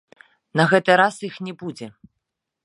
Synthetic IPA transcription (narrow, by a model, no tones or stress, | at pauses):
nɐɣɛt̪ɨɾasixnʲɛbud͡zʲɛ